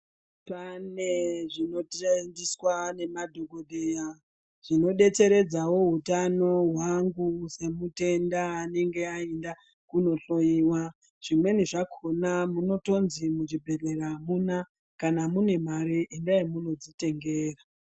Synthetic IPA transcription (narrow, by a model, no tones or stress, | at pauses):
paneʐino̞tndiswane̞madʱo̞ɡo̞ɗeja | ʐ̥ino̞ɗe̞t͡se̞ɾe̞d͡zawo̞ɦutano̞ɦwaŋɡuse̞mute̞ndaːne̞ŋɡe̞aenda | kuno̞ɬo̞jiwa | ʐ̥imwe̞niʐakʰo̞namuno̞to̞nzimud͡ʒibʱe̞reramuna | kanamune̞maɾiʔendajemuno̞d͡zite̞ŋɡeːra